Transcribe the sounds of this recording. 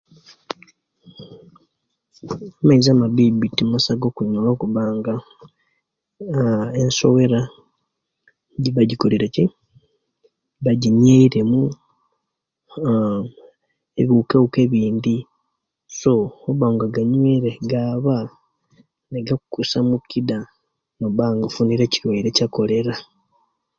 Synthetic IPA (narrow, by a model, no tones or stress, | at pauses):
amaizamaβibitːimasaɡo̞kuɲolokuβaːŋɡa | enso̰we̞ɾa | ɟiβaɟikoleɾeci | βaɟiɲeiɾe̞mu | eβuːkeuke̞βiːnd̪i | so̞oβaŋɡaɡaɲweɾeɡaːβa | neɡakukusamukːida | noβaːŋɡafuniɾe̞ciɾweiɾecako̞le̞ɾa